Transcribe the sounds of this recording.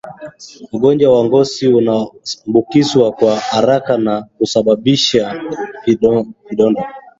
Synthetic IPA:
muɡɔnd͡ʒwawaŋɡɔsiunambukizwakwahaɾakanakusaɓaɓiʃa | viɗɔndɔ

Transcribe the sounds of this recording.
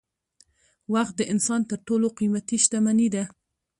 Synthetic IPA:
waxt̪̚d̪əʔɪnsɑnt̪əɾʈoloqimat̪iʃt̪amanid̪a

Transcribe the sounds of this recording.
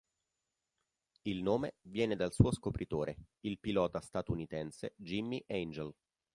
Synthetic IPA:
ilnoːmevjɛːned̪alsuːoskopɾʔit̪oːɾe | ilpilɔːt̪ast̪at̪unit̪ɛnsed͡ʒimːiʔɛnd͡ʒel

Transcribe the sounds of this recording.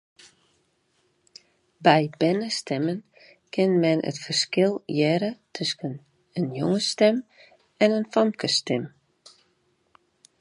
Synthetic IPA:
bɛjbɛnəstɛmən | kʰɪnmɛnʔə̰tfərskɪlˠjɛɾətʰøskən | ənjoŋəstɛm | ɛnənfɔmkʰəstɛm

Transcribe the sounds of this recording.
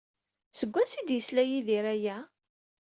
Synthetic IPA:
səɡʷːæsid̪jəslæjiðiɾæjæ

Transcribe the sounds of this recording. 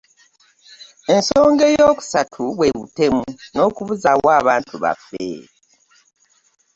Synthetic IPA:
e̞nso̞ːŋɡe̞jo̞ːku̥satʰuβwe̞βute̞muno̞ːkuβuzawwaːβaːntuβa̰fːḛ

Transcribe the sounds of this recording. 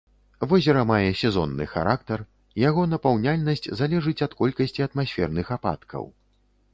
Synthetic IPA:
vɔzʲɐɾɐmajɛsʲɛzɔnːɨ̰xa̰ɾʔak̚t̪ɐr | jaɣɔnɐpawnʲalʲnɐsʲt͡sʲzalʲɛʐɨt͡sʲɐt̪kɔlʲkɐsʲt͡sʲiɐt̪masʲfʲɛrnɨxapa̰t̪kʰɐ̰w

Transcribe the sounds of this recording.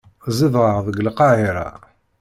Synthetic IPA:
ziðˤʁəʁðˤəɡəlqɑhiɾˤɑ̰

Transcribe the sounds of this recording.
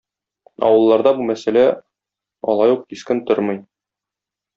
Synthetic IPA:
ɒ̰wɤ̆lˠːɑɾd̪ɑbumæsælæ | ɒ̰lˠɑjuq̚t̪iskɘnt̪oɾmɤj

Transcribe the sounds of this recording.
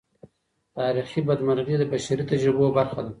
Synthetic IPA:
t̪ɑːɾixibad̪maɾɣed̪əbaʃaɾit̪ad͡ʒɾibobaɾxad̪a

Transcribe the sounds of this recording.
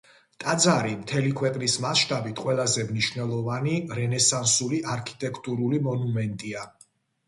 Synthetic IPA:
t̪ʼad̪zaɾimt̪ʰɛlikʰwɛqʼnismaʃt̪ʼabit̪ʰqʼwɛlˠazɛmniʃvnɛlˠɔvaniɾɛnɛsansuliʔaɾkʰi̥t̪ʼɛkʰt̪ʼuɾulimɔnumɛnt̪ʼia

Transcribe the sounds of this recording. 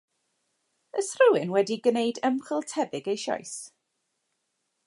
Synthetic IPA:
əsrəwɪnwɛdiɡnejdəmχəlˠtʰɛvɪɡejʃɔ̰js

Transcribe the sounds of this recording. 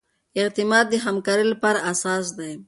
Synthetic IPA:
ɪqt̪imɑt̪̚d̪əɦamkɑːɾilapɑɾaːsɑːsd̪aj

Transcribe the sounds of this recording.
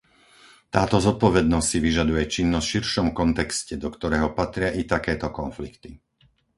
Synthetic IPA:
t̪aːt̪ɔzɔt̪̚pɔʋɛd̪nɔssiʋiʒad̪ujɛt͡ʃinːɔsʃiɾʃɔmkɔnt̪ɛkscɛd̪ɔkt̪ɔɾɛːɦɔpat̪ɾɪaʔit̪akɛːt̪ɔkɔnflikt̪i

